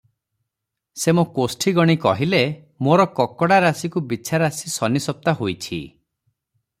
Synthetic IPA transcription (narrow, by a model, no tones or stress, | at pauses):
semokosʈʰiɡɔɽ̃ikɔ̰ɦile | moɾɔkɔkɔɽaɾasikubit͡ʃʰaɾasisɔnisɔp̚t̪aɦojt͡ʃʰḭ